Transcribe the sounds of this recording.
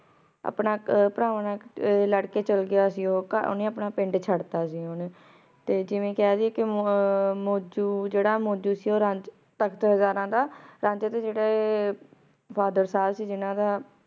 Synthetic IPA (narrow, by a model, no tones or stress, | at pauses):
ə̰pnaːpəɾaːʋnãːləɽkeːt͡ʃəlɡɪjaːsiːoːka̰nẽːəpɳaːpɪɳɖt͡ʃʰəɽt̪aːsiːɦon | t̪eːd͡ʒɪʋẽːkaːziːkɪ | moːd͡ʒuːd͡ʒeːɽaːmoːd͡ʒuːsiːoːɾãɲd͡ʒ | t̪əkʰt̪əɦəzaːɾãːd̪aːɾãːɲd͡ʒət̪eːd͡ʒeːɽaː | pʰaːd̪əɾsaːbsiːd͡ʒɪnãːd̪aː